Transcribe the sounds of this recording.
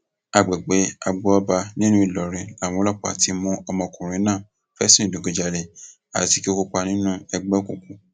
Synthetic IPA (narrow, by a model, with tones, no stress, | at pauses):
a˨ɡ͡bɛ˨ɡ͡be˨˦a˧ɡ͡bɔ˦ɔ˧ba˧nĩ˦nũ˦i˨lɔ˨ɾĩ˨a˨w̃ɔ̃˨˦lɔ˦˨k͡pa̰˨ti˨˦mũ˦ɔ˧mɔ̃˧˨kũ˨ɾ̃ĩ˨˦nãː˦˨ | fɛ˦sĩ˦˨do˨ɡo˧d͡ʒa˧le˧ | a̰˨ti˨˧ki˦o˦ko˧k͡pa˧nĩ˦nũ˦ɛ˧ɡ͡bɛ˦ku˨ku˨˦